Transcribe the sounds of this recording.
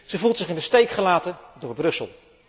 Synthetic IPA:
z̥əvulˠtsɪχɪndəstejkχəlaːtədʊːɹbrɵsə̰lˠ

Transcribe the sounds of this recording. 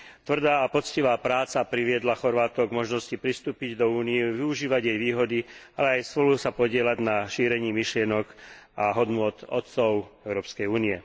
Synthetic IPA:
t̪ʋr̩d̪aːpɔt͡sciʋaːpɾaːt͡sapɾiʋɪɛd̪laxɔɾʋaːt̪ɔɡmɔʒnɔscipɾist̪uːpiɟd̪ɔuːnijɛʋiuʒiːʋaɟjɛjʋiːɦɔd̪i | alɛajspɔlusapɔɟɪɛlaɟnaʃiːɾɛɲiːmiʃlɪɛnɔɡ | ʔaɦɔd̪nʊɔt̪ɔ̰t̪t͡sɔʊɛʊɾɔːpskɛjuːniɛ

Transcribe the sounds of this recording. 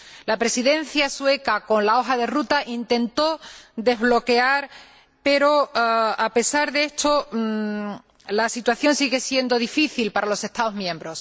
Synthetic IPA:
lapɾe̞siðẽ̞n̟θjaswe̞kako̞nlao̞xaðe̞rut̪aʔint̪ẽ̞nt̪o̞d̪e̞zβlo̞ke̞aɾ | pe̞ɾo̞ape̞saɾðeest̪o̞ | lasit̪waθjõ̞nsiɣe̞sje̞nd̪o̞ðifiθilpaɾalo̞se̞st̪aðozmjẽ̞mbɾo̞s

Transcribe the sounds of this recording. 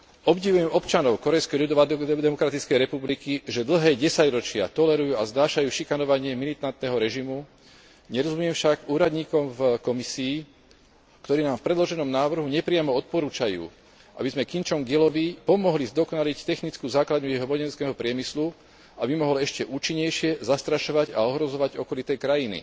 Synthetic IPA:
ɔbɟiʋujɛmɔpt͡ʃanɔʊkɔɾɛjskɛjʎud̪ɔʋad̪ɛmɔkɾat̪it͡skɛjɾɛpublikiʒɛd̪l̩ɦɛːɟɛsaɟɾɔt͡ʃɪa̰t̪ɔlɛɾujuːaznaːʃajuːʃikanɔʋaɲɪɛmilit̪ant̪̚nɛɦɔɾɛʒimu | ɲɛɾɔzumjɛmfʃaɡuːɾad̪ɲiːkɔmvkɔmisiː | kt̪ɔɾiːnaːmfpɾɛd̪lɔʒɛnɔmnaːʋr̩ɦuɲɛpɾɪamɔɔt̪̚pɔɾuːt͡ʃajṵː | ʔa̰bizmɛkint͡ʃɔmɡilɔʋipɔmɔɦlizd̪ɔkɔnalict̪ɛxnit͡skuːzaːklad̪ɲujɛɦɔmɔɟɛnskɛːɦɔpɾɪɛmislu | abimɔɦɔlɛʃcɛʔuːt͡ʃiɲːɛjʃɪɛzast̪ɾaʃɔʋaɟa̰ɔɦɾɔzɔʋaɟɔkɔlit̪ɛjkɾajinḭ

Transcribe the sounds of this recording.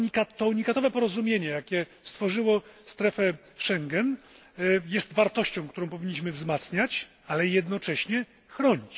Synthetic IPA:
ɲikat̪ːɔuɲikat̪ɔvɛpɔɾɔzumʲjeɲɛjakʲɛst̪fɔʐɘwɔst̪ɾɛfɛ | ʂɛŋɡɛn | jɛst̪vaɾt̪ɔɕt͡ɕɔ̃w̃kt̪uɾɔ̃w̃pɔvʲiɲːiɕ̬mɘvzmat̪sɲat͡ɕ | alɛjɛd̪nɔt͡ʂɛɕɲɛ | xɾɔɲit͡ɕ

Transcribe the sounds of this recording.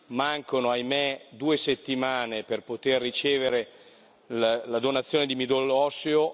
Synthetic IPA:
maŋkonoajmed̪uːeset̪ːimaːneperpot̪erːit͡ʃeːveɾe | llad̪onat̪sːjoːned̪imid̪olːɔseo

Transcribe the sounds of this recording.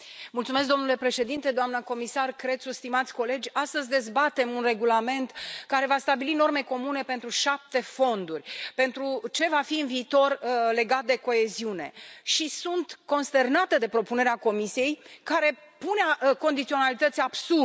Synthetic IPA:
mult̪sumesk̚d̪o̞mnule̞pɾe̞ʃe̞d̪int̪e̞d̪oamnəko̞misarkɾe̞sust̪imat̪sʲko̞le̞d͡ʒʲast̪əzʲd̪e̞zbat̪e̞munre̞ɡulame̞nt̪kaɾe̞vast̪abilino̞rme̞ko̞mune̞pe̞nt̪ɾuʃap̚t̪e̞fo̞nd̪urʲpe̞nt̪ɾut͡ʃe̞vafiɨnviːt̪o̞rle̞ɡat̪̚d̪e̞ko̞e̞ziune̞ʃisunt̪ko̞nst̪e̞rnat̪əd̪e̞pɾo̞pune̞ɾeako̞misije̞jkaɾe̞punako̞nd̪it̪sio̞nalit̪ət̪sʲab̥su

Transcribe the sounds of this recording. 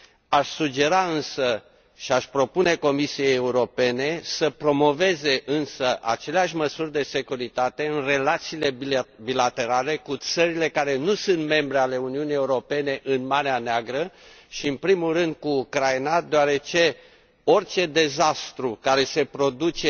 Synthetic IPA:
aʃʲsud͡ʒe̞ɾaɨnsə | ʃiaʃpɾo̞pune̞ko̞misijejeuɾo̞pe̞ne̞səpɾo̞mo̞ve̞ze̞ʔɨnsəʔa̰t͡ʃe̞leaʃʲməsurʲd̪e̞se̞kuɾit̪at̪e̞ɨnre̞lat̪siːle̞bilat̪e̞ɾale̞kut̪səɾile̞kaɾe̞nusunt̪me̞mbɾeale̞uniunije̞uɾo̞pe̞ne̞ʔɨnmaɾeaneaɡɾə | ʃiɨnpɾimulrɨnd̪̚kuːkɾajnad̪eoaɾe̞t͡ʃe̞ | o̞rt͡ʃe̞d̪e̞zast̪ɾukaɾe̞se̞pɾo̞d̪ut͡ʃe

